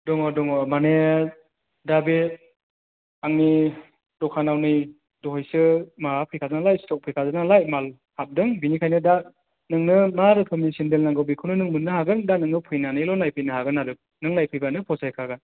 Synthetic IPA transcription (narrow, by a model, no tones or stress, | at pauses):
dɔŋɔdɔŋɔmane | dabe | aŋni | dɔkʰanawnɯj | dɔɦɯjsɯmaɦapʰɯjkʰazanalajstɔk̚pʰɯjkʰazanalajmal | hap̚dɯŋbinikʰajnɯda | nɯŋnɯmaɾɯpʰɯmnisindelnaŋɡɯwbikʰɯwnɯnɯŋmɯnːɯhaɡɯndanɯŋnɯpʰɯjnanɯlɔnlajpʰɯjnɯɦaɡɯnːaɾɯk̚nɯŋlajpʰɯjbanɯpʰɔsajkʰaɡɯn